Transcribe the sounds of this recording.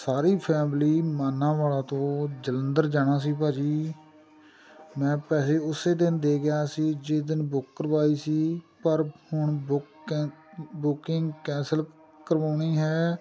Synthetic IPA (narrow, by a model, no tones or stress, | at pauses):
saːɾiːpʰɛːmliːmaːnːãːʋaːlãːt̪õːd͡ʒələnd̪əɾd͡ʒaːɽ̃ãːsiːpaːd͡ʒiː | mɛ̃ːpɛːseːʊseːd̪ɪnd̪eːɡɪjaːsiːd͡ʒeːd̪ɪnbʊkːəɾʋaːiːsiːpəɾhʊɳʊk | bʊkɪŋɡkɛ̃ːsəl | kəɾʋãːɳiːɦɛː